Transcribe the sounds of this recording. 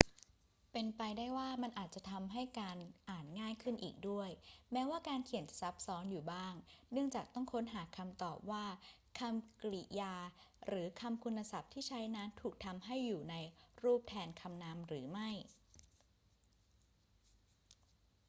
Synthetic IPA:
pe˧npa˧jdaː˥˩jwaː˥˩ma˧nʔaː˨˩t̪̚t͡ɕa˨˩t̪ʰa˧mɦa˥˩jkaː˧nʔaː˨˩nŋaː˥˩jkʰɯ˥˩nʔḭː˨˩k̚du˥˩əjmɛː˦˥waː˥˩kaː˧nkʰi˨˩ənt͡ɕa˨˩sa˦˥p̚sɔː˦˥njuː˨˩baː˥˩ŋnɯ˥˩əŋt͡ɕaː˨˩k̚t̪ɔ˥˩ŋkʰo˦˥nɦaː˩˦kʰa˧mt̪ɔː˨˩p̚waː˥˩ | kʰa˧mklḭ˨˩jaː˧ɾɯː˩˦kʰa˧mkʰu˧nːa˧sa˨˩p̚t̪ʰiː˥˩t͡ɕʰa˦˥jnaː˦˥nt̪ʰuː˨˩k̚t̪ʰa˧mɦa˥˩jːuː˨˩na˧jɾuː˥˩p̚t̪ʰɛː˧nkʰa˧mnaː˦˥mɾɯː˩˦ma˥˩j

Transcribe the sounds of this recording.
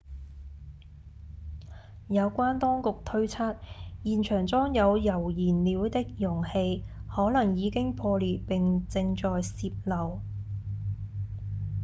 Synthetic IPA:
jɐ˨˧wkʷwaː˥nt̪ɔː˥ŋkʊ˨k̚t̪ʰɵ˥ɥt͡sʰaː˥t̚jiː˨˩nt͡ʃʰœː˨˩ŋt͡sɔː˥ŋjɐ˨˧wjɐ˨˩wjiː˨˩nliː˨˧wt̪ɪ˥k̚jʊ˨˩ŋhe˧jhɔː˨˥lɐ˨˩ŋjiː˨˧kɪ˥ŋpʰɔː˧liː˨t̚pɪ˨ŋt͡sɪ˧ŋt͡ʃɔː˨jsiː˧p̚lɐ˨˩w

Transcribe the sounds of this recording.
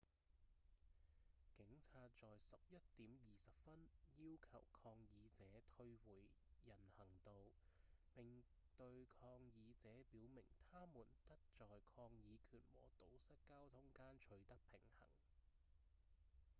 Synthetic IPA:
kɪ˨˥ŋt͡sʰaː˧t̚t͡sɔː˨jsɐ˨p̚jɐ˥t̚t̪iː˨˥mjiː˨˩sɐ˨p̚fɐ˥njiː˥wkʰɐ̰˨˩wkʰɔː˧ŋjiː˨˧t͡sɛː˨˥t̪ʰɵ˧ɥwuː˨˩jjɐ˨˩nhɐ˨˩ŋt̪o˨wpɪ˨˩ŋ | t̪ɵ˧ɥkʰɔː˧ŋjiː˨˧t͡sɛː˨˥piː˨˥wmɪ˨˩ŋt̪ʰaː˥muː˨˩nt̪ɐ˥k̚t͡sɔː˨jkʰɔː˧ŋjiː˨˧kʰyː˨˩nwɔ̰ː˨˩t̪o˨˥wsɐ˥t̚kaː˥wt̪ʰʊ˨˥ŋkaː˥nt͡ʃʰɵ˨˧˥ɥt̪ɐ˥k̚pʰɪ˨˩ŋhɐ̰˨˩ŋ

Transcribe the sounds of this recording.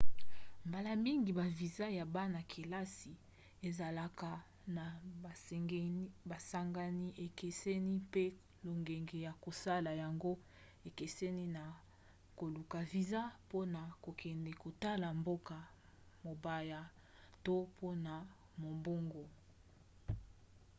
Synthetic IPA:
mba˨la˨mi˦ŋɡi˨ba˨vi˨za˦ja˨ba˦na˨kʰe˨la˦si˨ | e˨za˨la˨ka˨ | na˨a˨˦ba˨sa˦ŋɡa˦ni˦ʔe˨ke˨sɛ˦ni˦pe˦ | lo˨ŋɡɛ˨ŋɡe˨ja˨ko˨sa˦la˨ja˨ŋɡo˦ | e˨ke˨sɛ˦ni˦na˨ | ko˨lu˨ka˨vi˨za˦po˦na˨ko˨kʰɛ˨ndɛ˨ko˨ta˦la˨mbo˦ka˨ | mo˨ba˦ja˦ | to˦pʰo˦na˨ | mo˨mbo˦ŋɡo˨

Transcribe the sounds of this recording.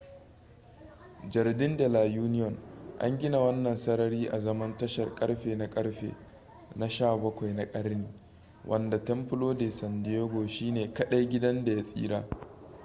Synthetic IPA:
d͡ʒɐ˨rdɪ˦ndɐ˨laː˨juː˦nɪ˦jɔ˨nʔa̰˦ŋɡʲɪ˦na˨wɐ˦nːɐ˨nsɐ˦nɐ˦ɾiː˦ʔa˨zɐ˦mɐ˦ntɐ˦ʃɐ˨rkʼɐ˦ɽɸeː˨na˦kʼɐ˦ɽɸḛː˨ | na˦ʃaː˦˨bɐ˦kʷa˨jna˦kʼɐ˦ɾniː˨ | wʔɐ̰˨nda˨tɐ˦mpɪ˦loː˦deː˨sɐ˨ndɪ˦eː˦ɡʷoː˨ʃiː˦neː˨kɐ˦ɗa˦jɡʲɪ˦dɐ˦nda˨ja˦sʼḭː˦ɾaː˦

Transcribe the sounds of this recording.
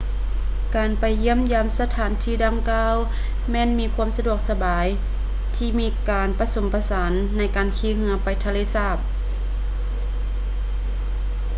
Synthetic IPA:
kaː˨npa˨˩jːi˧˥əmjaː˧˨msa˧t̪ʰaː˨˦nt̪ʰiː˧˩da˧˨ŋkaː˧˥˨w | mɛː˧˥˨nmiː˧˥kʰu˧˥ə˨msa˧du˧˩ək̚sa˧baː˨˦j | t̪ʰiː˧˩miː˧˥kaː˨˩npa˧so˨˦mpʰa˧sa˨˦nːa˧˥jkaː˨˩nkʰiː˧˥˨hɯ˧˥ɐpa˨˩jt̪ʰa˧leː˧˥˨saː˧˩p̚

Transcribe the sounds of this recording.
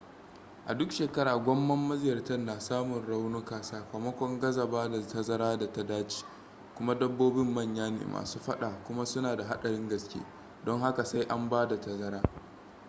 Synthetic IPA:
ʔa˨dʊ˦kʃeː˨kɐ˦ɽaː˨ɡʷɐ˦mːɐ˦mːɐ˦zɪ˦jɐ˨rtɐ˦nːaː˨saː˦mʊ˨nɽa˦wnu˦kaː˨saː˦kʷaː˨mɐ˦kʷɔ˦ŋɡɐ˦zɐ˨baː˦da˨tɐ˦zɐ˦ɾaː˦da˨tɐ˦daː˦t͡ʃi̥ː˨ | kʷʊ˦ma˦dɐ˦bːoː˦bɪ˦mːɐ˦˨ɲjaː˦nḛ˨mʔa̰ː˨suː˦ɸɐ˦ɗaː˨kʷʊ˦ma˦sʊ˦naː˨da˨ɦa˦ɗɐ˨ɽɪ˦ŋɡɐ˨skʲḛː˦ | dɔ˦ŋha˦ka˨sa˦jʔa˦mbaː˦da˨tɐ˨zɐ˦ɾaː˦

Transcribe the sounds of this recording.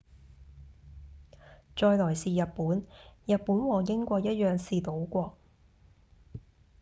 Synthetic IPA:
t͡ʃɔː˧jlɔː˨˩jsiː˨jɐ˨t̚puː˨˥njɐ˨t̚puː˨˥nwɔː˨jɪ˥ŋkʷɔː˧k̚jɐ˥t̚jœː˨ŋsiː˨t̪o˨˥wkʷɔː˧

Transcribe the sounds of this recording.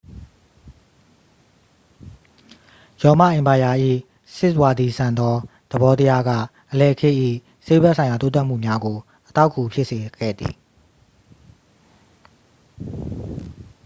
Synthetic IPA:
jɔ˨ma̰˦˨ʔɪ̃˨mba˨ja˨ʔḭ˦˨ | sɪ˦ʔwa˨d̪i˨sã˨nd̪ɔ˦d̪̥ə˨bɔ˦t̪ə˦ja˦ɡä̰˦˨ | ʔəlɛ˨əkʰe˦˨ʔḭ˦˨ | se˦˨bʔsʰã˨ɪ̃ja˨t̪o˦t̪a˦ʔm̥ṵ˦˨mja˦ɡo˨ | ʔət̪a˦ʊkʰːu˨pʰjɪ˦ʔse˨ɡɛ̰˦˨d̪ðḭ˨

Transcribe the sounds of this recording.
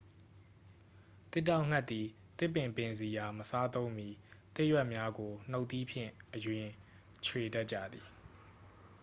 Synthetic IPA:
t̪ɪ˦tːa˦˨ʊ̃ŋ̥a˦ʔt̪t̪ːi˨ | t̪ɪ˦˨pːɪ̃˨mpɪ̃˨nzi˨ja˨məsa˦t̪õ˦ʊ̃mji˦t̪ɪ˦ʔjwɛ˦ʔmja˦ɡo˨n̥o˦ʊʔt̪ːi˦pʰjɪ̰̃˦˨ʔəjwɪ̃˨ | t͡ɕʰwe˨da˦ʔ̚t͡ɕä̰˦˨d̪ði˨

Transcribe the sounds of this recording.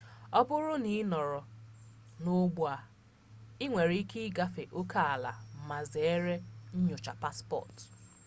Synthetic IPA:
ɔ˦bʊ˦ɾʊ˦ni˦nɔ˨ɾɔ˨ | no˦ɡ͡bu˦a˨ | ɪ˦ŋʷe˨ɾi˦ki˦i˦ɡa˦fe˨ʔo˦ka˦a˨la̰˨m̩˨ma˨ze˨˦e˦ɾe˦ɲ̩˦ɲʊ˨t͡ʃa˨pa˦spɔ̰˨t

